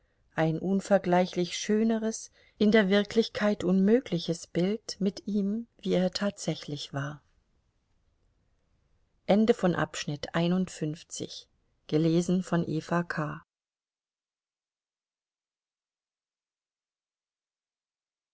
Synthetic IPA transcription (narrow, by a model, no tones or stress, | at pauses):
ʔaɪnʔʊnfɛɐɡlaɪçlɪçʃøːnəʁəs | ʔɪndeːɐvɪɐkʰlɪçkʰaɪtʔʊnmøːklɪçəsb̥ɪltmɪtʔiːmviːeːɐtʰaːtz̥ɛçlɪçv̥aːɐ | ʔɛndəfɔnʔa̰pʃnɪtʔa̰ɪnʊntfʏnft͡sɪ̰ç | ɡ̥əleːzn̩fɔnʔḛːfakʰaː